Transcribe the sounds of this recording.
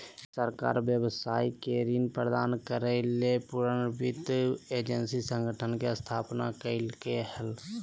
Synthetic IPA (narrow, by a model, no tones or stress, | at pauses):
səɾka̰ːɾbjəwsaːikeɾinpɾəd̪aːnkəɾəlepuɾənbɪt̪eːd͡ʒənsisə̃ŋɡʱəʈʰənkeəst̪ʰaːpnakəɪlkehəl